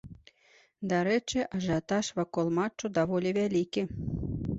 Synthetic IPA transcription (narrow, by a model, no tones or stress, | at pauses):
d̪aɾɛt͡ʂɨʔɐʐat̪aʂvakɔlˠmat͡ʂːud̪avɔlʲivʲælʲikʲi